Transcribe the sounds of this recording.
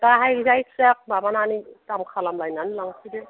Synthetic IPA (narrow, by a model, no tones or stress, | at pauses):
taɦajɡzajksak̚babananitamkʰalamlajnanlaŋsʰide